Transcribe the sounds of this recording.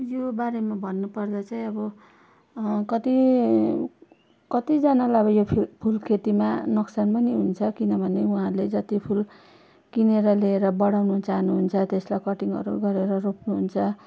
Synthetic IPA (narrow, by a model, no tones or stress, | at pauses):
jobaɾemabʱʌnːupʌrd̪at͡saĩʌbʌ | kʌt̪i | kʌt̪id͡zanalaʌbʌjopʰpʰulkʰet̪imanʌksanpʌniɦunt͡sʰʌkinʌbʱʌneuɦãled͡zʌt̪ipʰul | kineɾʌleeɾʌbʌɽawnut͡saɦnuɦunt͡sʰʌt̪eslajkʌʈiŋʌ̰ɾuɡʌɾeɾʌropnuɦunt͡sʰʌ